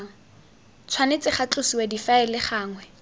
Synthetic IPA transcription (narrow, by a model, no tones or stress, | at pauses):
t͡sʰwanet͡sɪχat͡ɬʊsiwadifaɛlɪχaːŋwɛ